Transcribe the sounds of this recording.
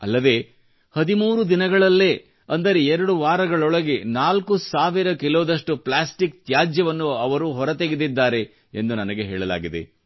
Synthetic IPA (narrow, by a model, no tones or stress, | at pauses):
ɐ̰lːɐd̪e̞ː | hɐd̪imuːɾud̪inɐɡɐɭɐlːeː | ɐnd̪ɐɾeɛɾɐɽuʋaːɾɐɡɐɭɔɭɐɡe̞naːlkusaːʋiɾɐkiloːd̪ɐʂʈuplaːsʈikt̪jaːd͡ʒjɐʋɐnːuɐʋɐɾuːɦɔɾɐt̪eɡid̪id̪ːaːɾe̞ | end̪unɐnɐɡe̞ɦeːɭɐla̰ːɡid̪e̞̰